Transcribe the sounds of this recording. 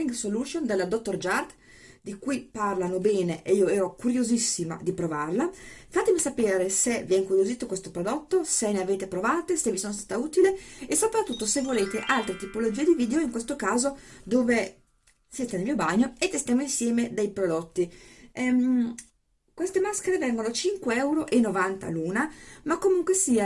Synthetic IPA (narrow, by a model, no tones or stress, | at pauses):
iŋɡsoluʃond̪elad̪ot̪ːord͡ʒart̪ | d̪ikujparlanobɛːneʔeiːoɛːɾokuɾjozisːima̰d̪ipɾovarlafat̪emisapeːɾeseviɛiŋkuɾjoziːt̪okwest̪opɾod̪ot̪ːoseneaveːt̪epɾovaːt̪esevisoːnos̬t̪aːt̪auːt̪ileesːopɾat̪ːut̪ːosevːoleːt̪eʔalt̪ɾet̪ipolod͡ʒiːed̪iviːd̪eoiŋkwest̪okaːzod̪oːve | siːt̪enelmiːobaɲːoet̪ːest̪jaːmoinsjɛːmed̪ejpɾod̪ot̪ːiɛm | kwest̪emaskeɾevɛŋɡonot͡ʃiŋkweɛwɾoʔenːovant̪a̰luːnamakːomuŋkwesiːa